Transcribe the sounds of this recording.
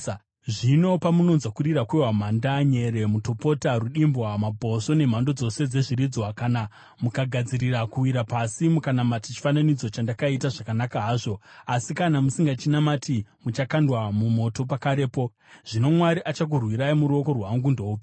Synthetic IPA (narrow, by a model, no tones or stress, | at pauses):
ʐino̞pamuno̞nzwakuɾirakuiwam̤andaɲe̞ɾe̞muto̞po̞taruɗimbwamabʱo̞so̞ne̞m̤ando̞d͡zo̞se̞d͡ze̞ʐiɾid͡zwakana | mukaɡʱad͡ziɾiɾakuwiɾapasimukanamatit͡ʃi̥fananid͡zo̞t͡ʃandakaitaʐakanakaɦaːʐo̞asikanamusiŋɡat͡ʃinamatʰimut͡ʃakandwamumo̞to̞pakaɾe̞po̞ | ʐ̥ino̞mwaɾiʔat͡ʃak̬urwiɾaimuɾuo̞ko̞rwaŋɡundouːpi